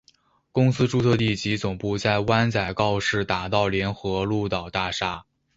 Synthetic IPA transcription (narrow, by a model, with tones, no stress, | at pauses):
kʊ˥ŋsɹ̩˥ʈ͡ʂu˥˧t͡sʰɤ˥˧t̪i˥˩t͡ɕi˧˥t͡sʊ˨˩ŋpu˥˧t͡sa˥˩ɪwa˥nt͡sa˨˩ɪkɑ˥˧ʊʂɻ̩˥˩t̪a˨˩t̪ɑ˥˩ʊljɛ˧˥nxɤ˧˥lu˥˩t̪ɑ˨˩ʊt̪a˥˩ʂa˥